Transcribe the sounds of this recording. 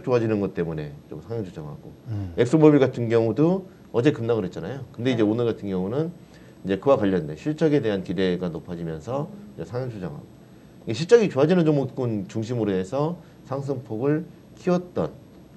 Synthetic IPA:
t͡ɕ͈oɦad͡ʑinɯnɡʌt͈e̞mune̞t͡ɕomsʰaŋjʌŋt͡ɕʰud͡ʑʌŋɦa̰ɡoe̞ks͈omʌbiɭɡatʰɯnɡjʌŋudo | ʌd͡ʑe̞kɯmnaɡɯɾɦet̚t͡ɕ͈anajokɯnde̞id͡ʑe̞onɯɭɡatʰɯnɡjʌŋunɯn | id͡ʑe̞kɯwakwaʎːʌndeɕʰiɭt͡ɕ͈ʌɡe̞de̞ɦankide̞ɡanopʰad͡ʑimjʌnsʰʌid͡ʑesʰaŋjʌŋt͡ɕʰud͡ʑʌŋɦa̰ɡoo | ɡeɕʰiɭt͡ɕ͈ʌɡit͡ɕoɦad͡ʑinɯnd͡ʑomok͈unt͡ɕuŋɕʰimɯɾoɦe̞sʰʌ | sʰaŋs̬ʰɯŋpʰoɡɯɭ | kʰiwʌt̚t͈ʌn

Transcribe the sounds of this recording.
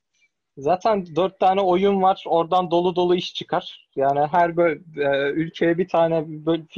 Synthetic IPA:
zaːt̪ʰænd̪øɾt̪ʰːaːnɛo̞junvaɾ̥o̞ɾd̪and̪o̞lˠud̪o̞lˠuiʃt͡ʃʰɯkʰaɾ̥ | jaːniɦæɾbøɛylʲcʰejɛbit̪ʰaːnɛbøf

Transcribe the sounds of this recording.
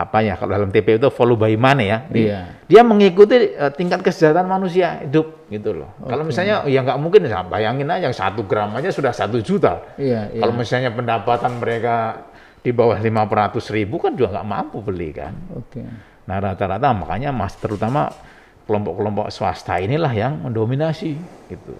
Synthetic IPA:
apajakalodalamt̪epeit̪ufolobaimanajadiaməŋikut̪̬iət̪iŋkat̪̚kəsəd͡ʒaɦat̪anmanus̬iaidʊp̚ɡit̪ulɔ̰hkalomisalɲajaŋɡaʔmuŋkɪnsabajaŋɪnlahjaŋsa̰t̪uɡɾamaɲasudahsat̪ud͡ʒut̪a̰kalomisalɲapəndapat̪anməɾeka | d̥ibawahlimapərɾat̪ʊsribukand͡ʒuɡaŋɡa̰ʔma̰mpubəlḭka̰nokeː | aɾat̪aɾat̪amaka̰ɲama̰st̪əɾut̪ama̰ | kəlɔmpɔʔkːəlɔmpɔ̰ʔsəwa̰st̪a̰inilahjaŋməndominasiɡit̪ṵ

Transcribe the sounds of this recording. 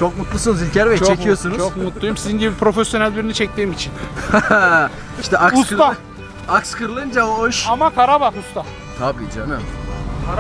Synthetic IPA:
t͡ʃʰokmut̪lˠusunuzilʲcʰɛɾvɛt͡ʃʰt͡ʃoekʰijo̞sunut͡ʃʰokmut̪lˠujumsizinɟibipʰɾo̞fesjonælʲbiɾinit͡ʃʰɛc̚t̪ʰiːmit͡ʃʰin | iʃt̪ʰɛʔakusɾa | akskʰɯɾlˠɯnd͡ʒaooʃamakʰaɾabakust̪a | t̪ʰabḭːd͡ʒanɯm

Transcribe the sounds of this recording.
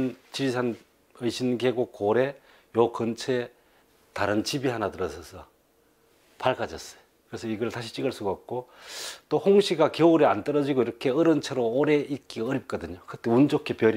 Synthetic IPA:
nt͡ɕisʰan | ɯjɕʰinɡeɡokoɾe̞ | jokʌnt͡ɕʰe̞ | taɾɯnt͡ɕibiɦanatɯɾʌsʰʌsʰʌ | paɭɡad͡ʑʌs͈ʌ̥jokɯɾe̞sʰʌiɡʌɭtaɕʰi̥t͡ɕ͈iɡaɭs͈uɡak̚k͈ot͈ohoŋɕʰiɡakjʌuɾiant͈ʌɾʌd͡ʑiɡoiɾʌkʰe̞ʌɾɯnt͡ɕʰeɾoːɾe̞ik͈iɡaːɾip̚k͈ʌdɯɲokɯt͈eund͡ʑokʰe̞pjʌɾ

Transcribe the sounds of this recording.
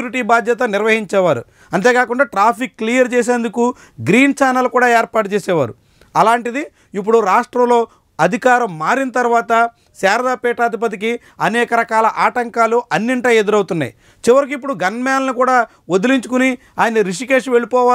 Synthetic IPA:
uːɾiʈiːbaːd̪jɐt̪ɐniɾʋɐɦiɲt͡ʃɛːʋaːɾṵ | ɐnt̪eːkaːkuɳɖaːʈɾaːpʰikːlijɐɾt͡ʃɛːs̬eːnd̪uku | ɡɾiːnt͡ʃaːnɐlkuːɽaːeːɾpaːʈut͡ʃɛːsɛːʋa̰ːɾu | ɐlaːɳʈid̪i | ipːuɽuɾaːʂʈɾɐmlo̞ː | ɐd̪ʱikaːɾɐmːaːɾinɐt̪ɐɾʋaːt̪ɐ | sɛːɾd̪aːpɛːʈaːd̪ip̬ɐt̪̬iki | ɐnɛːkɐɾɐkaːlɐʔaːʈɐŋkaːluʔɐnːiɳʈɐːed̪uɾɐwut̪unːa̰ːjḭ | t͡ʃiʋɐɾik̬uipːuɽuɡɐnmɛːlɐnikuːɽaː | od̪uliɲt͡ʃukuni | aːjɐnɐɾiʂ̬ikeːʂʋe̞ɭipɔːaː

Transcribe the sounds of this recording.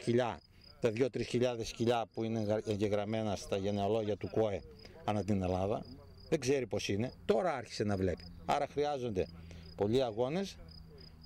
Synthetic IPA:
çiʎɐ | t̪ɐðʝo̞t̪ɾisçiʎɐðe̞sciʎɐpuineeɲɟe̞ɣɾɐme̞nɐst̪ɐʝe̞ne̞o̞lo̞ʝɐt̪uko̞e̞ | ɐnɐt̪ine̞lɐðɐ | ðe̞ɡze̞ɾipo̞sine̞t̪o̞ɾɐɐɾçi̥se̞nɐvle̞pi̥ | ɐ̰ɾɐxɾiɐzo̞nd̪epo̞ʎiɐɣo̞ne̞s

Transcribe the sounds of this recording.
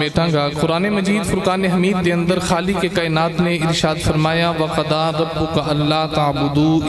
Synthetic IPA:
eːʈʰãːɡaːkʊɾaːnemɐd͡ʒiːd̪fʊɾkaːneɦɐmiːd̪ːeə̃nd̪əɾxaːlikekaːɪnaːt̪nẽɪɾʃaːd̪fɐɾmaːjaʋɐqɐd̪aɾɐbːʊkaʔɐlːaːt̪ɐːbʊd̪u

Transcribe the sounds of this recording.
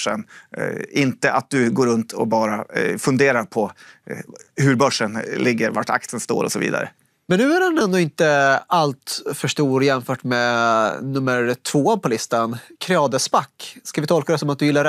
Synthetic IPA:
ə̰n | ɪnt̪əʔat̪̚d̪ɵɡoːɾɵnt̪ʰɔbɑːɾafɵnd̪eːɾaɾpʰɔ | hɵɾbœʂːənlʔɪɡːəɾva̰ʈa̰kt̪sənst̪o̰ːɾɔ̰sɔvḭːd̪a̰ɾə̰ | mɛnːʉ̟ːæɾɛnɛnd̪oɪnt̪əalt̪fœʂʈuːɾjɛnfœːʈmeːnɵmːəɾt̪ʰvoːpʰɔlɪst̪ankʰɾɛɑːd̪əspakːskavɪt̪ʰɔlkad̪ɛsɔmat̪̚d̪ɵjɪlːaɾ

